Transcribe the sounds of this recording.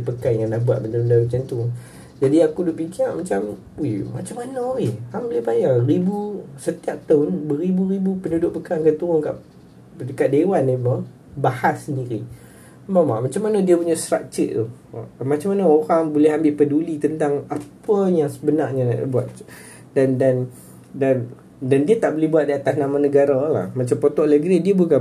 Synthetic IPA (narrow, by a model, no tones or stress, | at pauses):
pəkajŋanahbuaʔ̪̚pənt̪uɾʊndalut͡ʃant̪uŋ | d͡ʒadiakudʊʔpikiaʔmat͡ʃam | imat͡ʃamanaihambəlɛhbajaribusət̪iap̚t̪aʊnbəɾibuɾibupənudʊʔ̚pəkaŋkat̪uɾʊŋka̰ʔ | dəkat̪̚dewanima | bahassəndiɾi | bama̰ʔmat͡ʃamːanədiəpuɲast̪ɾak̚t͡ʃəʔ̚t̪uwa̰mat͡ʃamːanəoɾaŋbulɛɦambɪlpədulit̪ənt̪aŋapəjaŋsəbənarɲana̰ʔa̰buat̪ | dandan | dan | dandiət̪aʔbolɪhbuwat̪̚diat̪asnamanəɡaɾala̰hmat͡ʃampot̪ɔʔləɡɾidiəbuka